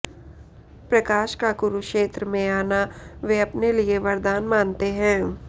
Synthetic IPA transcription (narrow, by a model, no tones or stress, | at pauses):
pɾɐkaːʃkaɡʊɾukʃeːt̪ɾəmẽaːnaʋeɐpnelieʋɐɾd̪aːnmaːnt̪eɦɛ̃ː